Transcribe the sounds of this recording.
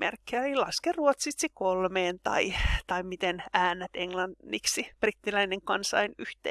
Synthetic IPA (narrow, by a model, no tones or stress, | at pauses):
mḛrkːeæilɑskerːuot̪sit̪sikolmeːnt̪ɑ̰it̪ɑimit̪enæːnːæt̪eŋlɑnːiksib̥rit̪ːilæineŋkɑnsɑ̰inyht̪ḛː